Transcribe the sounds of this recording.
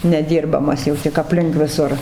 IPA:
nʲɛˈdʲiːrbɐmɐs jɛʊ tʲɪk ɐpʲˈlʲɪŋk ʋʲɪˈsʊr

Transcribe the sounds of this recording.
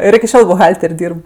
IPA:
ˈɪr ɪkʲɪ ˈʃʲoːlˠ bʊˈɣɐlʲtʲɛrʲ ˈdʲiːrp

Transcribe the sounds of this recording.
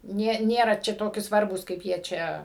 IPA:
ˈnʲeː ˈnʲeːrɐ ˈt͡ʃʲɛ toːˈkʲɪ ˈsʋɐrbuːs kɐɪp ˈjiɛ ˈt͡ʃʲɛ

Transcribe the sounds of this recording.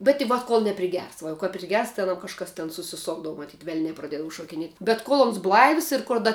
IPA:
bʲɛt ɪ ˈʋɐt koːlˠ nʲɛpʲrʲɪˈɡʲɛrs ˈʋɐ jɛʊ kɐp pʲrʲɪˈɡʲɛrs tɐɪ ɐˈnɐm kɐʃˈkɐs tʲɛn sʊsʲɪˈsoːɡdɐʋʊ mɐˈtʲiːt ˈʋʲɛlʲnʲɛ prɐˈdʲiɛdɐʋʊ ʃoːkʲɪˈnʲiɛtʲ bʲɛt ˈkoːlˠ ˈoːns ˈblˠɐɪws ɪr koːr ˈdɐ

